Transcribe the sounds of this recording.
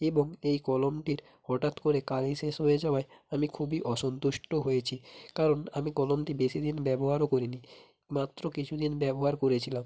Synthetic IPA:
eboŋejkɔlomʈiɾ | hɔʈat̪koɾekaliʃeʃɦojed͡ʑaoaeamikʰubiʔɔʃont̪uʃʈoɦojet͡ɕʰikaɾonamikɔlomʈibeʃid̪inbɛboɦaɾokoɾini | mat̪ːɾokit͡ɕʰud̪inbɛboɦaɾkoɾet͡ɕʰilam

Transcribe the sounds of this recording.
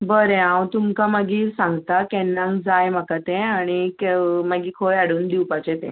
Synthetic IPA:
bəɾẽãwt̪umkamaɡiːɾsãŋɡt̪akɛnːãŋɡd͡zajmakat̪ɛ̃aɽ̃ikemaɡiːkʰojaɽuːnd̪iwpat͡ɕɛ̃t̪ɛ̰̃

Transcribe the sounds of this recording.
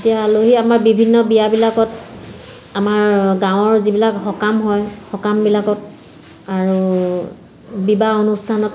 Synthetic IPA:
etijaːloɦiamaɹbibʱinːɔbijabilakɔt | amaɹɡãw̃ɔɹzibilakhɔkamɦɔjxɔkambilakɔt̚ | aɹu | bibaonustʰanɔt

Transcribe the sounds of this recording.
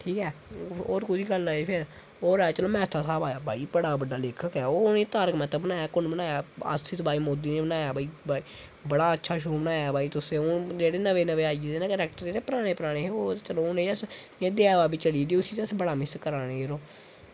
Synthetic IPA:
ʈʰiːkɛːoːɾkʊd͡ʒiːɡəlaːepʰɪɾ | oːɾɛːt͡ʃəloːmɛ̃ːt̪ʰaːsaːbaːjaːbʱaːiːbəɽaːbəɖaːleːkʰəkɛːoːneːt̪aːɾəkmɛ̃t̪əbənaːjaːkʊnbənaːjaːə̰st̪ʰit̪baːiːmoːd̪iːneːbənaːjaːbaːiːba | bəɽaːətːʃʰaːʃ̬oːbənaːjaːbaːiːt̪ʊsẽːʊnd͡ʒeːɽeːnəʋeːnəʋeːaːid̪eːnẽːkəɾɛːk̚ʈəɾeːɾeːpɾaːɽ̃eːpəɾaːɽ̃eːɦoːt͡ʃəloːʊnẽːəs | ẽːd̪eːaːʋaːbiːt͡ʃəɽiːd̪iːʊsiːt̪əsbəɽaːmɪskəɾaːneːeːɾoː

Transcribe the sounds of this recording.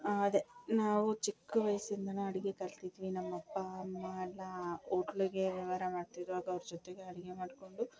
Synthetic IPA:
ɐd̪enaːʋut͡ʃikːuʋɐjsind̪ɐnuɐɽiɡekɐlt̪id̪ʋinɐmːɐpːɐmːɐlːaoːʈluɡeːʋɐʋaːɾɐmaːɽt̪id̪ʋaːɡɐʋɐɾud͡ʒɔt̪ːeɡeɐɽiɡemaːɽkoɳɖu

